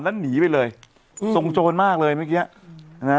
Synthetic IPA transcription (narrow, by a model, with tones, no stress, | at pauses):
nlɛ˦˥niː˩˦pa˧jlɤː˧j | so˧ŋt͡ɕoː˧nmaː˥˩k̚lɤː˧jma˥˩kiː˦˥a˧˩˧ | na˦˥